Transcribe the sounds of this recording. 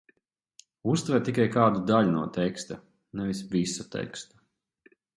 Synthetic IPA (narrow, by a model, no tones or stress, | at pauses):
ust̪vɛɾt̪ikajkaːd̪ud̪aʎʲunuɔt̪ɛkst̪a | nɛvisvisat̪ɛ̰kst̪ḁ